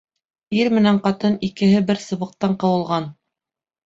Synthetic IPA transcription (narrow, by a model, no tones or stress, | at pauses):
iɾmɘ̆næɴqɑt̪ɤnikɘ̆ɦɘbɘɾsɤ̆βɤ̆q̚t̪ɑɴqɤ̆wɤ̆lˠʁɑn